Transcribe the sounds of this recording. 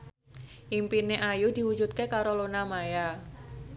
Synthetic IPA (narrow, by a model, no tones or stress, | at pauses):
ʔimpineʔajud̪̥i̤wu̥d͡ʒut̪̚kekaɾolonamaja